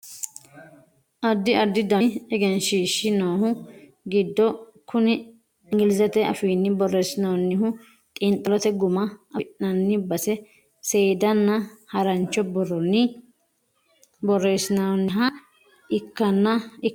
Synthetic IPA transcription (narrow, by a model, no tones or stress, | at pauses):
ʔɐd̪ːɪʔɐd̪ːɪd̪ɐɛɡɛnʃiːʃːɪnoːɦʊ | ɡɪd̪ːɔ | kʰʊnɪ | ɪŋɡɪlɪzɐt̪ɛɐ̰fiːnːɪbɔrːesɪnɐnːɪɦʊ | t̪ʼɪnt̪ʼɐlɔt̪ɛɡʊmɐʔɐʔnɐnːɪbɐsɛ | seːd̪ɐnːɐhɐɾɐnt͡ʃːɔbɔrɔnːɪ | bɔresɪnɐɔnːɪɦɐ | ʔɪkːɐnːɐɪ